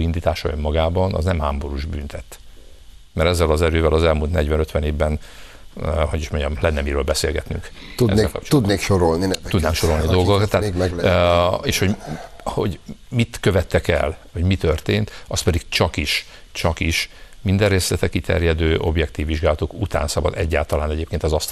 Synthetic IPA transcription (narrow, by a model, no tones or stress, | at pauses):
ind̪iːt̪aːʃɒø̰mːɒɡaːbɒnɒ̰znɛmhaːmbo̞ɾuːʒby̰nt̪ʰɛt̪ː | mɛɾɛzːɛlɒzɛɾøːvɛlɒzɛlmult̪nɛɟʋɛnø̞t̪ʋɛneːvbɛn | ho̞ɟiʃmo̞ɲɟɒmlɛnːɛmiɾøːlbɛsḛːlɡɛt̪nyŋkt̪uekt̪ud̪neːkʃoɾolnitud̪naːŋkʃo̞ɾo̞lnidd̪olɡokkt̪ːaːɛ | eːʃho̞ho̞̰ɟmit̪kø̞vɛt̪ːɛkɛ̰lho̞ɟmit̪ø̞rt̪eːnt̪ɒst̪pɛd̪iɡt͡ʃɒkiʃ | t͡ʃɒkiʃmind̪ɛrːeːslɛt̪ɛkit̪ɛ̰rjɛd̪øːʔo̞̰bjɛkt̪iːvːiʒɡaːlɒt̪okut̪ʰa̰ːnsɒbɒ̰d̪ɛɟːa̰ːlt̪ɒlaːnɛɟeːp̚keːnt̪ɒzɒst̪